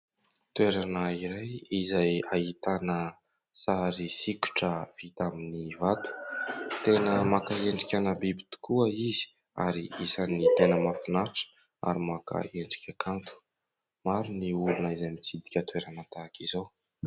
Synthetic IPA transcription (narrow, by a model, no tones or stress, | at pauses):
t̪weɾanəiɾajizajait̪anə | saɾisiku̥ʈ͡ʂəv̥it̪aminivat̪u̥t̪enəmakaeɳɖ͡ʐikʲanabibit̪i̥kuəiz̥i̥ | a̰ɾiisanit̪enəmafinaɾiʈ͡ʂə̥ | a̰ɾimaka̰eɳɖ͡ʐi̥kʲakʰant̪u̥ | maɾuniulunəizajmit͡sid̪i̥kʲət̪weɾanət̪akizo